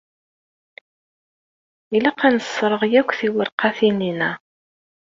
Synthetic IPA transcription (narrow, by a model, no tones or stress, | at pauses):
ilæqænəsːɾˤəʁjækʷːθiwəɾqɑθininæ